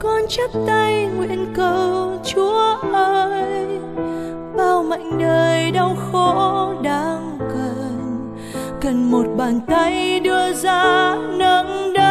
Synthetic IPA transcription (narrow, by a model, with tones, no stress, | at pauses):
kɔ˧nt͡ɕə˦˥p̚t̪a˧jŋwḭ˧˨ənkə˧wt͡ɕu˨˦əʔəː˧j | ɓaː˨˩wma̰˧˨jŋ̟ɗəː˨˩jɗa˧wxo˧˦ɗaː˧˦ŋkə˨n | kə˨˩nmo˨˩t̚ɓaː˨˩nt̪a˧jɗɨ˧əzaː˧nə˧˦ŋɗə˧